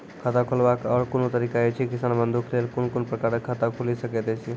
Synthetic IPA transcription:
kʰət̪akʰulbakɔːɾkonot̪əɾikaet͡ʃʰikisanbənd̪uklelkonkonpɾəkaɾəkʰːət̪akʰulisəkɛt̪ɛt͡ʃʰi

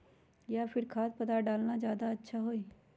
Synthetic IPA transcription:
jaːpʰɪɾkʰaːt̪̚pət̪aːɖaːlnaːd͡ʒjaːd̪aətːʃʰaːɦoːiː

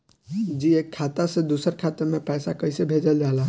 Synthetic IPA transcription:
d͡ʒiekʰːat̪əsẽd̪usəɾkʰat̪əɾmẽpɛːsakəɪsebʱed͡ʒəld͡ʒala

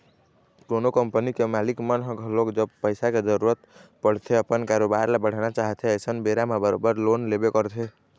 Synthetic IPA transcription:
kɾonokəmpənikemalikmənɦə̃ɡʱəlokd͡ʒəbpəɪsaked͡ʒəɾuɾət̪pəɽ̤t̪ʰeəpənkaɾobaɾlebəɽ̤nat͡ʃaɦt̪ʰeəjsənbeɾamebəɾo̰bəɾlonlebekəɾt̪ʰe

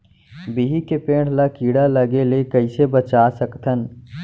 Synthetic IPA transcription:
biɦikepẽːɽ̤lakiːɽalɐɡelekɐɪsebət͡ʃaːsəkt̪ʰən

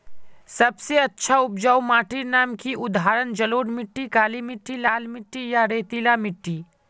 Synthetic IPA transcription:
sɐbseɐtːʃʰaʊpd͡ʒaːwmaːʈiɾnaːmkiʊd̪ʱɦaːɾənd͡ʒɐloːɖmɪʈːikaːlimɪʈːilaːlmɪʈːijaɾeːt̪ilamɪʈːiː

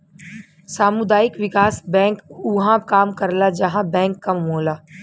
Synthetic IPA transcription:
saːmʊd̪aːjɪkʋɪkaːsbɛ̃ːŋkʊɦãkaːmkɐɾlad͡ʒɐɦãbɛ̃ːŋkːɐmɦoːlaː

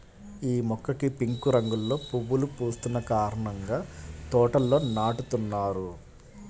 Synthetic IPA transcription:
iːmɔkːɐkipiŋkuɾɐŋɡulːo̞ːpuʋːulupuːst̪unːɐkaːɾɐɳɐŋɡaːt̪ɔːʈɐlːo̞ːnaːʈut̪unːaːɾu

